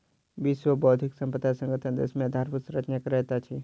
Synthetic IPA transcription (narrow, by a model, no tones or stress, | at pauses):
bisʋəbɔːt̪ʰiksə̃mpət̪asə̃ŋɡət̪ʰənd̪ḛsmẽd̪ʱaɾpusɾət͡ʃʰnəkɾɛɦt̪at͡ʃʰi